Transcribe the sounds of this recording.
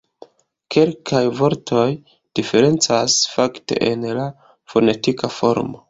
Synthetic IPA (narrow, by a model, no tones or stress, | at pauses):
ke̞lkʰajvo̞ɾtʰo̞j | d̥ife̞ɾe̞nt͡sasfakte̞̰ʔenla | fo̞ne̞tikafo̞ɾmo